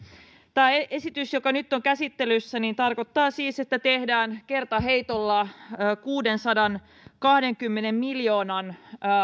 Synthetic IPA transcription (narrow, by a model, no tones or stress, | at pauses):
t̪æːeesit̪ysjokɑnyt̪ːoŋkæsit̪ːe̞lysːæniːnt̪ɑrko̞t̪ːɑːsiːse̞t̪ːæt̪ehdæːnke̞rt̪ɑɦe̞jt̪olːɑkuːde̞nsɑdɑn | kɑhde̞ŋkymːenemmiljo̞ːnɑn